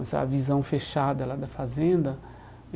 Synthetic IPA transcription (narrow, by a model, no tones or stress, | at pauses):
ɐsɐ̰ɐvizɐ̃w̃feʃad̪ɐlad̪ɐfazẽnd̪ɐ